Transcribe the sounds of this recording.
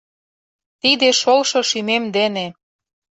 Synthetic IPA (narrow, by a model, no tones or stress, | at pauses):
t̪id̪eʃolʃoʃymemd̪ene